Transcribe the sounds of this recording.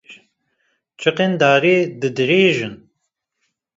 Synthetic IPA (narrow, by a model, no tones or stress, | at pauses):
t͡ʃʰɨqend̪aːɾiːd̪ɨd̪ɨɾeːʒɨn